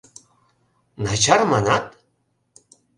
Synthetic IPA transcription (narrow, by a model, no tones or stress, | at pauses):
nat͡ɕʰarmanat̪